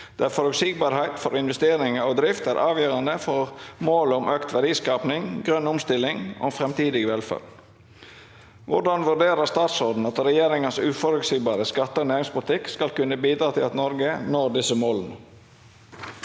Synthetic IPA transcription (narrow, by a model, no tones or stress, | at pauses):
d̪̥æfɔɾʉsɪːɡbɑːɾhæɪt̪fɔɾɪnʋɛst̪eːɾɪŋəod̪ɾɪft̪æɾʔɑːʋjøːɾɑnd̪əfɔɾmoːlɔmʔøːkt̪ʋæɖiːskɑːpnɪŋɡɾœnːʊmst̪ɪlːɪŋʔo̰ːfɾɛmt̪ʰiːd̪ɪɡəʋɛlfɑ̰l | ʋʊ̰ɖɑnʋʉɖeːɾəst̪ɑːt̪sɔɾd̪n̩ɑt̪ɾɛjeːɾɪŋənsʉːfɔɾʉksiːɡbɑːɾəskɑt̪ːəonæːɾɪŋspʊlɪt̪ɪkskɑlkʉnːəbiːd̪ɾɑːt̪ʰɪlɑt̪nɔɾɡənoːɾd̪ɪsəmoːlnə